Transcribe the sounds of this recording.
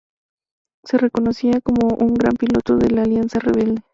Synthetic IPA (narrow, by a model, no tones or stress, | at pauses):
se̞re̞ko̞no̞siako̞mo̞ʔuŋɡɾa̰mpilo̞t̪o̞ðelaːljansareβ̞e̞ld̪e̞